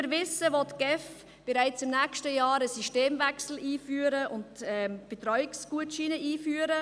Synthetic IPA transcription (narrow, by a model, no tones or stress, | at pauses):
əɾvɪsːəvɔtɡ̥ɛf | b̥ɛɾaɪt͡sɪmnɛːkʃtəjɑːɾəsiʃteːmvɛksl̩iːfyːɾəʔʊntɛmb̥etɾɔʏɪksɡ̥uətʃiːnəʔiːfyːəɾə